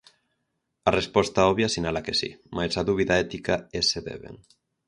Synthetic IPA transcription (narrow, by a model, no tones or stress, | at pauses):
arespɔst̪aɔβjasinalakesḭmasaðuβ̞iðaɛt̪ikaeseðḛβḛŋ